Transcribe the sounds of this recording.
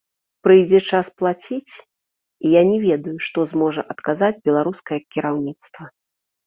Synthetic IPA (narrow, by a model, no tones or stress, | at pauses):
pɾɨjd͡zʲɛt͡ʂasplˠat͡sʲit͡sʲ | ijanʲɛvʲɛd̪ujuʂt̪ɔzmɔʐɐʔɐt̪kazad͡zʲbʲɛlˠaɾuskɐjɛkʲiɾawnʲit̪st̪vɐ